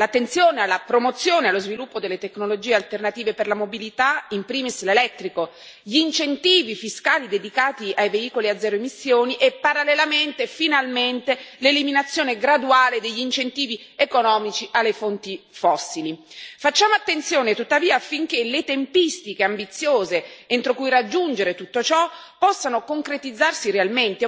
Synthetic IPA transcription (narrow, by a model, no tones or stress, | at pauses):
lat̪ːent̪sjoːnealːapɾomot̪sːjoːnealːozvilupːod̪elːet̪eknolod͡ʒiːealt̪ernat̪iːveperlamobilit̪aimpɾiːmislelɛt̪ːɾiko | ʎiːnt͡ʃent̪iːvifiskaːlid̪ed̪ikaːt̪iajveiːkoliad̪zɛːɾoemisːjoːniʔɛpːaɾalːelament̪efinalment̪eleliminat̪sːjoːneɡɾad̪uaːled̪eʎːint͡ʃent̪iːvi | ekonɔːmit͡ʃiʔalːefont̪ifɔsːilifat͡ʃːaːmoat̪ːent̪sjoːnet̪ut̪ːaviːaːfːiŋk̟elet̪empist̪ikeambit̪sːjoːzeent̪ɾokujɾad͡ʒːund͡ʒeɾet̪ut̪ːot͡ʃɔpːɔsːanokoŋkɾet̪id̪zːarsiɾealment̪e